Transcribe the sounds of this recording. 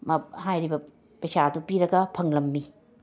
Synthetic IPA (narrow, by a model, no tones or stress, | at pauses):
mɐhajɾibɐ | pɐjsadupiɾɐɡɐpʰɐŋlɐmːi